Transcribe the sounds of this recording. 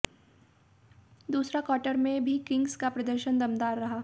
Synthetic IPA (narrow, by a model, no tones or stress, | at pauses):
d̪uːsɾakɔːʈəɾmẽbʱikɪ̃ŋɡskapɾɐd̪əɾʃənd̪ɐmd̪aːɾːɐɦaː